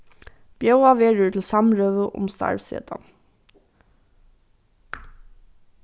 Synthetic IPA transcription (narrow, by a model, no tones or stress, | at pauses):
b̥jœʉɑʋeːɹət̪ʰl̩sɑmɹøːʋəʔʊ̰mst̪ɑ̰ɹʋsḛːd̪̥ɑ̰